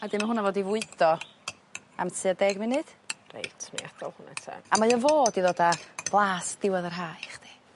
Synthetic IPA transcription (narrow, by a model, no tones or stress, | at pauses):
adɪmaɦʊnavoːdivʊɨdɔ | a̰mtʰɨadɛɡminɨd̥rḛjtʰnḭad̥ɔlˠhʊna̰tʰɛ̰amaɨəvoːdiðoːdab̥lˠaːsd̥ɪwaðərɦaːjχd̥i